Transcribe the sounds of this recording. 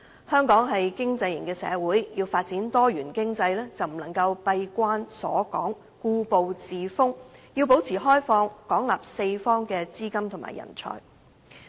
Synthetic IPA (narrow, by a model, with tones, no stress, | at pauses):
hœː˥ŋkɔː˨˥ŋɦɐ˨jkɪ˥ŋt͡sɐ˧jjɐ̰˨˩ŋkɛː˧sɛ̰ː˨˧wuː˨˥jjiː˧wfaː˧t̚t͡siː˨˥nt̪ɔː˥jyː˨˩nkɪ˥ŋt͡sɐ˧jlɛː˥t͡sɐ˨wm̩˨˩nlɐ˨˩ŋkɐ˧wpɐ˧jkʷaː˥nsɔ̰ː˨˥kɔ̰ː˨˥ŋ | kuː˧po˨wt͡siː˨˩fʊ˥ŋjiː˧wpo˨˥wt͡sʰiː˨˩ɦɔː˥jfɔː˧ŋkɔː˨˥ŋla̰ː˨p̚se˧jfɔː˥ŋkɛː˧t͡siː˥kɐ˥mt̪ʰʊ˨˩ma̰ː˨˩jɐ̰˨˩nt͡sʰɔ̰ː˨˩j